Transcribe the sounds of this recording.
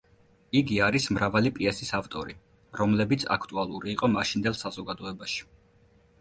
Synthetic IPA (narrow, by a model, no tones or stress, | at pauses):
iɡiaɾismɾavalipʼiɛsisaft̪ʼɔɾi | ɾɔmlɛbit̪sʰa̰kʰt̪ʼualˠuɾiːqʼɔmaʃind̪ɛlˠsazɔɡad̪ɔɛbaʃi̥